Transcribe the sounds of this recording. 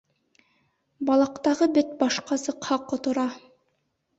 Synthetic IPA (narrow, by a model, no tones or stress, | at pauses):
bɑlˠɑqt̪ɑʁɤbɘt̪̚bɑʃqɑsɤ̆qhɑqŏt̪ŏɾɑ